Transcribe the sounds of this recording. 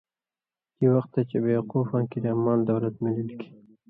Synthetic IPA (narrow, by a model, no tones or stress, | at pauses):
d̪̥iwaxt̪ːat͡ʃebewqufɑ̃nkid̪əamɑld̪awlat̪mililiki̥